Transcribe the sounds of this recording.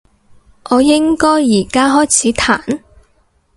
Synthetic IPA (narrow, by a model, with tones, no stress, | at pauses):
ʔɔː˨˧jɪ˥ŋkɔː˥jːiː˨˩kaː˥ɦɔː˥jt͡sʰiː˨˥t̪ʰa̰ː˨˩n